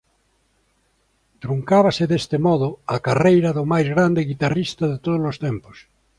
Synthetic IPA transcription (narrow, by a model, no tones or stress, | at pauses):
t̪ɾuŋkaβ̞asɪðest̪ɪmɔðʊakarejɾɐðʊmajzɣɾand̪eɣit̪arist̪ɐðet̪oð̞ozlost̪ɛmpo̥s